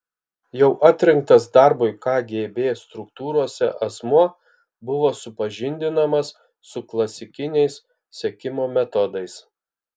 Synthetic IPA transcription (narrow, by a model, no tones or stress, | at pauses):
jɛʊʔɑːt̪ʲɾʲɪŋk̚t̪ɐs̬d̪ɐɾbʊɪkɑːɡʲeːbʲeːst̪ɾʊkt̪uːɾuɔsʲɛ̰ʔɐsmuɔ | bʊʋoːsʊpɐʒʲɪnʲd̪ʲɪnɐmɐsː | ʊklˠɐsʲɪkʲɪnʲɛɪs | sʲɛkʲɪmoːmʲɛt̪ɔd̪ɐɪs